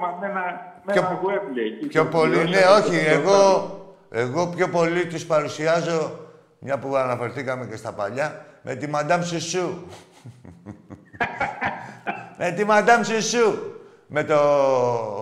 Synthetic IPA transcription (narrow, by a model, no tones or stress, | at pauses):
mɐmenɐoepleiçopoline̞o̞çieɣo̞ | e̞ɣo̞pço̞po̞lit̪ispɐɾusiɐzo̞ | mɲɐpuɐnɐfe̞ɾθikɐme̞ce̞st̪ɐpɐʎɐmʔe̞t̪imɐd̪ɐmsisu | met̪imɐnd̪ɐmsisu | me̞t̪o